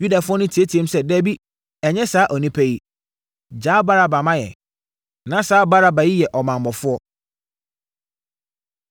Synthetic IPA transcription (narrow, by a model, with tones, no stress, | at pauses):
ju˦da˨fʊ˦ɔ˦nʊ̃˦tʰi˨e˦tʰi˨ẽ˦m˦sɛ˦dɛ˦bi˦ | ɛ˨ɲɛ̃˦saː˨˦ʔɔ˨nĩ˦pʰæ˦ji˦ | d͡ʑaː˦ba˦ɾa˨ba˨mã˦jɛ̰˨ | nã˨˦saː˦ba˦ɾa˦ba˨ji˦jɛ˨ʔɔ˨mã˨mbɔ˨fʊ˦ɔ˦